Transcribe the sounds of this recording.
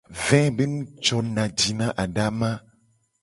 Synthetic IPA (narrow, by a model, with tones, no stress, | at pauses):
vɛ̃˦be˦nũ˦t͡ʃɔ˨nã˨d͡ʒi˨nã˦ʔa˨ɖa˦mã˦